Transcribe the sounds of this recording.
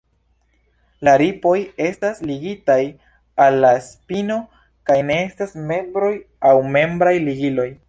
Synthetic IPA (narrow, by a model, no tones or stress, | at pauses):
laɾipo̞je̞stasliɡitaj | alːaspino̞ | kajne̞e̞stasme̞bɾo̞j | awme̞mbɾajliɡilo̞j